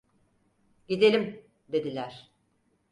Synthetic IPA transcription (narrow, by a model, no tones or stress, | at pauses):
ɟid̪e̞lʲim | d̪e̞d̪ilʲæɾ̥